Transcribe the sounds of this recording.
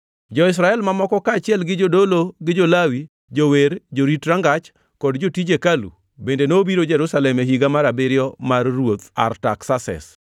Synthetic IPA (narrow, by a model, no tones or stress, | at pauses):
d͡ʒɔɪs̬ɾaɛlmamɔkɔkaːt͡ʃɪɛlɡɪd͡ʒodoloɡɪd͡ʒolawi | d͡ʒoweɾd͡ʒoɾitɾaŋɡat͡ʃ | kɔdd͡ʒotid͡ʒekalṵ | bendenobiɾod͡ʒɛɾusalɛmeɦiɡamaɾabɪɾjɔmarːwot̪a̰rta̰ksasɛ̰s